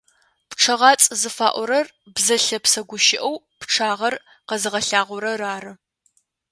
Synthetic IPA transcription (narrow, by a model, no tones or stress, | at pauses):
pʈ͡ʂʰɐʁɑːt͡sʼzɨfa̰ːʔʷɔɾɐr | bzɐɬɐpsɐɡʷʊʃɪʔɐw | pʈ͡ʂʰaːʁɐr | qɐzɨʁɐɬaːʁʷʊɾɐraːrɨ